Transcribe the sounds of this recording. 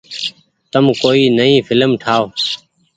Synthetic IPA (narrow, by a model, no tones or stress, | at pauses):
t̪əmkoːiːnəĩːfʰɪləmʈʰaːoː